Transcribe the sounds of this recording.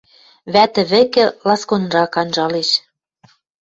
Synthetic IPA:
βæt̪ɘ̆βɘ̆kɘ̆lɑskonrɑkɑnʒɑleʃ

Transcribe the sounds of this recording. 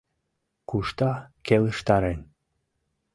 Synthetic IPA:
kuʃt̪ɑkeləʃt̪ɑɾen

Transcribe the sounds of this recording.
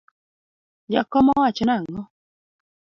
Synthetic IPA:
ja̰kɔmɔwat͡ʃɔnaŋɔ

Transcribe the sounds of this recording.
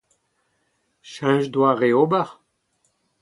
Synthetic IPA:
ʃɛ̃ʒdwaʁeobaʁ

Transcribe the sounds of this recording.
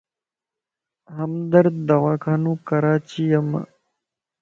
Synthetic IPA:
ɦəmd̪əɾd̪əʋaːkʰaːnũːkəɾaːt͡ʃijəm̰

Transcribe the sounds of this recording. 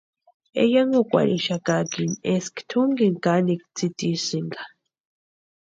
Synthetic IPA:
ḛjaŋɡokʼʷa̰ɾʔiʃakakineskt̪ʰuŋɡiŋkanikt͡sit̪ʼisiŋɡa

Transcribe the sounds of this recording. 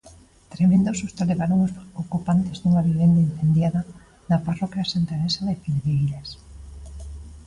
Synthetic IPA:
t̪ɾemẽnd̪osost̪aleβaɾoŋosokupant̪ezðuŋaβjoβend̪aĩn̟θend̪jaða | naparɔkjasent̪anesaðefilðeɣiʎas

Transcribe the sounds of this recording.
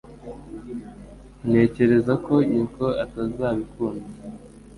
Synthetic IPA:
ne̞ːce̞ɾe̞zako̞ɲiːko̞atazaːβikuːnda

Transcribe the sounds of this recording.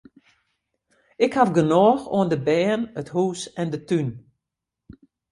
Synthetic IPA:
ɪkhafɡənɔːxo̰əndəbɛːnəthuːsɛndətyn

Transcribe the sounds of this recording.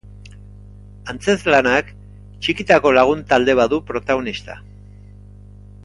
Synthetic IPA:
ant͡se̞zlanak | t͡ʃikit̪ako̞laɣ̞unt̪ald̪e̞βaðupɾo̞t̪aɣ̞o̞nist̪a̰

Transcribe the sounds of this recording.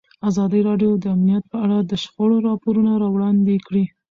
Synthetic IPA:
azɑd̪əɾɑɖjod̪əamnijat̪̚pəaɽad̪əʃxoɽoɾɑpoɾunaɾɑwɽɑnd̪ekɽi

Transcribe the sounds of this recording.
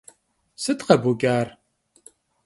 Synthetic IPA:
sɨt̪qɐbuɡʲʼaːr

